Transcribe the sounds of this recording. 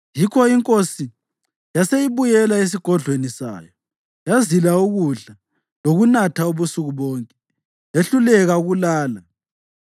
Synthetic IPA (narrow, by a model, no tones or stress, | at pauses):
jikʰɔiŋkʼosi | jasejiβujɛlaes̬iɡ̥ʱɔɮʱwenisa̰ːjɔ | jazilauɣuɮa | loɣunatʰauβusuɣuβɔːŋkʼɛ̥ | jeɬulɛɣauɣulaːla